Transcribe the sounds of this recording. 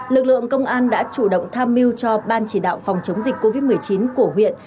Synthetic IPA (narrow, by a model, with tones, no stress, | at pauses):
lɨ˨˩k̚lɨ̰˧˨əŋkə˧wŋ͡mʔaː˧nɗa̰ː˧˥t͡ɕu˧˩ɗə̰˧˨wŋ͡mt̪ʰaː˧mːi˧wt͡ɕɔ˧ɓaː˧nt͡ɕi˧˩ɗa̰ː˧˨wfɔ˨˩wŋ͡mt͡ɕə˨˦wŋ͡mzi˨˩k̟̚ʲkːo˧vi˦˥t̚mɨ˨˩əjt͡ɕi˨˦nku˧˩əɦwḭ˧˨ən